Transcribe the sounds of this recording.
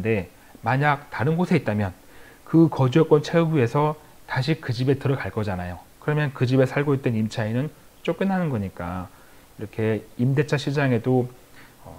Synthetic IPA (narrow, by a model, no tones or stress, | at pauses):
de̞ | maɲak̚taɾɯnɡosʰe̞it̚t͈amjʌn | kɯkʌd͡ʑuʌk͈wʌnt͡ɕʰeuɡue̞sʰʌ | taɕ̬ʰikɯd͡ʑibe̞tɯɾʌɡaɭk͈ʌd͡ʑanajokɯɾʌmjʌnkɯd͡ʑibe̞sʰaɭɡoit͈̚enimt͡ɕʰainɯn | t͡ɕ͈ok͈̚ɯnɦanɯnɡʌɲik͈a̰ | iɾʌkʰe̞imde̞t͡ɕʰaɕʰid͡ʑaŋe̞doʌ̰